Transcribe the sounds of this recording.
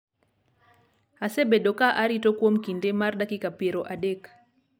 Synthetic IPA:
asɛbɛɗɔkaʔaɾitɔkwɔm̩kindɛmarɗakikapeɾɔʔaɗɛk

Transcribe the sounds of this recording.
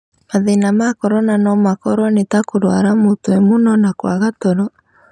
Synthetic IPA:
maðenamakɔɾɔnanɔmakɔɾɔnetakoɾwaɾamotoemonɔnakwaɣatɔɾɔ

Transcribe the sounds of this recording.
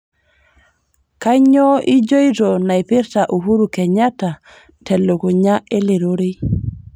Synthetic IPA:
kaɲɔid͡ʒojɾonajpiɾtaʔuɦuɾukɛɲata | tɛlːokuɲaeleɾoɾi

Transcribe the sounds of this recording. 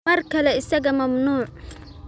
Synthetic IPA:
ɐrkʰɐlɛɪsɐɣɐmɐmnuːʕ

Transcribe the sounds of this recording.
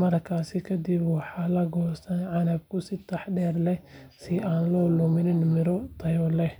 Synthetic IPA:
mɐrkʰaːsɪkʰɐd̪ibwɑħɑːlɐɡɔːst̪ʰɐnʕɑnɐb̚kʰʊsɪt̪ʰɑħɖɛːrlɛ | sɪʔaːnlɔːlʊmɪnɪnmɪɾɔt̪ʰɐjɔlɛ

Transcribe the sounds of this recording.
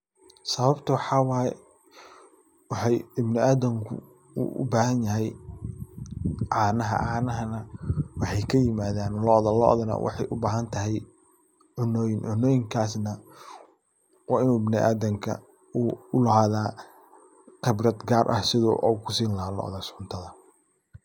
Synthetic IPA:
sɐβɐbt̪ʰɐwɑħɑːwɑːjɛ | wɑħɑjɪbnɪaːðɐmkʰʊ̰ | ṵʔʊ̰baːɦɐnjɐɦɛj | ʕɑːnɐɦɐ̰ʕaːnɐɦɐnɐwɑħɑjkʰɐjɪmaːðaːnlɔðɐlɔ̰ʔɔ̰ðɐnɐ̰wʔɑ̰ħɑjʔʊbaːɦɐnt̪ʰɐɦɛj | ʕʊnɔːjɪnʕʊnːɔːjɪŋkʰaːsnɐ | wɑːɪnuːɪbnɪʔa̰ːðɐmkʰɐ̰ | uʊlɐɦaːðaː | qɪbrɐd̪ɡaːrʔɐ̰hsɪðɔ̰ʔukʰʊsiːnlɐɦaːlɔ̰ːʔɔ̰ðɐɡsʊnt̪ʰɐðɐ

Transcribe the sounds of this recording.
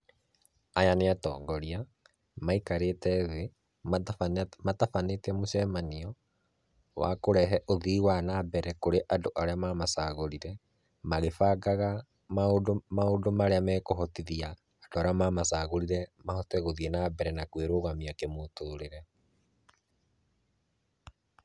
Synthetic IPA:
ajaneatɔ̰ːŋɡɔɾia | maikaɾetɛðe | matafanetɛmoɕɛmaniɔ | wa̰koɾɛɦɛʔoðiːwanabɛɾɛkoɾeʔadoʔaɾeamaːmasaːɣoɾiɾɛ | maɣefaɡaɣa | maodmaodomaɾeamɛkoɦɔtiðiaː | doaɾeamamasaːɣoɾiɾɛmahɔtɛɣoðiɛnabɛɾɛnakweɾoɣamiakemotoːɾeɾɛ

